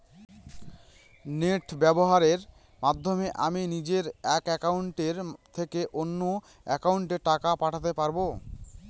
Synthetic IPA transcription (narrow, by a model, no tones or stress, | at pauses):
neʈbɛboɦaɾeɾ | mad̪ʱːomeʔa̰minid͡ʑeɾɛkɛkauɳʈeɾt̪ʰekeʔonːo | ɛkauɳʈeʈakapaʈʰat̪epaɾbo